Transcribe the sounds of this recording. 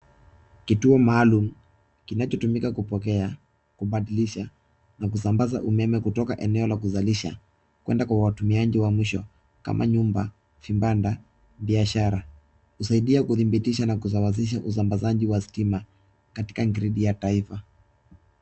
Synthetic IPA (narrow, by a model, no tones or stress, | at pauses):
kituɔmaːlum̩ | kinat͡ʃɔtumikakupɔkɛa | kuɓaɗiliʃa | nak̬usambazaʔumɛmɛkutɔkaʔɛnɛɔlakuzaliʃa̰ | kwɛ̰ndakwawatumiaʄiwamwiʃɔ | ka̰mʔa̰ɲumba | fimbanda | ɓiaʃaɾa | husaiɗiakuθimbitiʃanakuzawaz̬iʃ̬aʔus̬ambazaʄiwastima | kati̥kaŋɡɾiɗijataifa